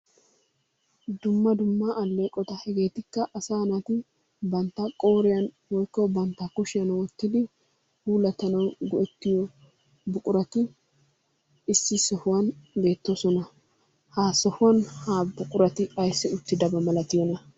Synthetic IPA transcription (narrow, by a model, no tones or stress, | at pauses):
d̪ʊmːɐd̪ʊmːɐʔːlːe̞ːkʼːɔt̪ɐhɛɡe̞ːt̪ɪkːɐʔɐsaːnɐt̪ɪ | bɐnt̪ːɐkʼo̞ːɾɪjɐn | wɔjkːɔbɐnt̪ːɐkʊʃɪjɐnwɔt̪ːɪd̪ɪ | huːlɐt̪ɐnɐwɡɔʔɛt̪ːɪjɔ | bʊkʼʊɾɐt̪ɪ | ɪsːɪsɔhʊwɐnbe̞ːt̪ːosɔnɐ | haːsɔhʊwɐnhaːbʊkʼʊɾɐt̪ɪɐjsːɪʊt̪ːɪd̪ɐbɐmɐlɐt̪ɪjɔnɐ